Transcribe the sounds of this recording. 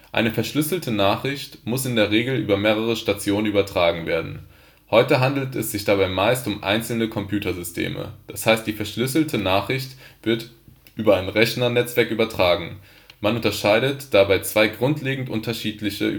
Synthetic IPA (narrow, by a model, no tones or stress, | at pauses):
ʔa̰ɪnəfɛɐʃlʏsl̩tʰənaːχʁ̥ɪçtmʊsɪndeːɐʁeːɡl̩ʔyːbɐmeːʁ̞əʁ̞əʃtat͡sjoːnənyːbɐtʁ̥aːɡŋ̩vḛːɐdn̩ | hɔʏtəɦandl̩tʰɛsz̥ɪçd̥abaɪmaɪstʊmʔa̰ɪnt͡sl̩nəkʰɔmpʰjuːtʰɐzʏstʰḛːmə̰d̥ashaɪst̚d̥iːfɛɐʃlʏsl̩tʰənaːχʁ̥ɪçtv̥ɪɐt | ʔyːbɐaɪnʁɛçnɐnɛt͡sv̥ɛɐkʔyːbɐtʁ̥aːɡŋ̩ | manʊntɐʃaɪdətd̥abaɪt͡sv̥aɪɡʁʊntʰleːɡŋ̩tʔʊntɐʃiːtlɪçə̰